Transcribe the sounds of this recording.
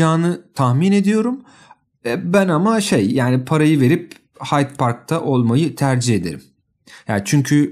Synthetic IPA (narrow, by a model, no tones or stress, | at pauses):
aːnɯt̪ʰahmine̞d̪ijo̞ɾum | ɛbænamaʃe̞jjaːnipʰaɾajɯve̞ɾip | hajt̪̚pʰaɾk̚t̪ʰaʔo̞lˠmajɯt̪ʰæɾd͡ʒihe̞d̪e̞ɾim | ja̰ːnt͡ʃʰyɲcʰy